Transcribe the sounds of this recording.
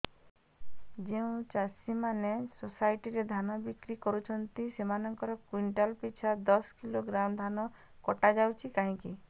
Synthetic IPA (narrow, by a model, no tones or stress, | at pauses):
d͡ʒeũt͡ʃasimanesosajʈiɾed̪ʱanɔbikɾikɔɾut͡ʃʰɔnt̪isemanɔŋkɔɾɔkwiɳʈɔlpit͡ʃʰad̪ɔskiloɡɾamd̪ʱanɔ | kɔʈad͡ʒawt͡ʃʰikaɦĩki